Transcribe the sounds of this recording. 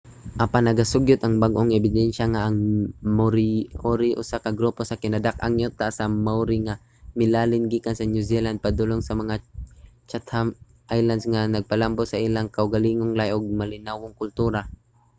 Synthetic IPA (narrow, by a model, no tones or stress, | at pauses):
ʔapanːɐɡasʊɡjʊt̪ʔɐŋbaɡʔoŋɛbɪd̪ɛnʃaŋaʔɐŋmʊɾɪʔoɾiʔʊ̰sakɐɡɾuposɐkɪnɐd̪aka̰ŋjot̪asɐmawɾiŋa | mɪlaːlɪnɡiːkansɐnjuziland̪̚pɐd̪ʊloŋsɐmɐŋat͡ʃat̪ham | ʔajlansŋanɐɡ̚pɐlambosɐʔɪlaŋkɐʊɡɐliːŋoŋlajʔoɡ̚mɐlɪnawoŋkʊlt̪uːɾa